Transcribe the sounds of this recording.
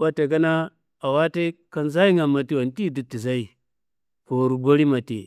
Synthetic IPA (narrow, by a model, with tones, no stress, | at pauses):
wa˦te˨ɡa˦na˦ | a˨wa˦te˦ka˨nza˦i˦ŋa˨ma˨ti˦wa˨nti˦˨di˨tːi˨za˦i˨ | ko˨ɾu˨ɡo˦ɾi˦ma˨tḛ˨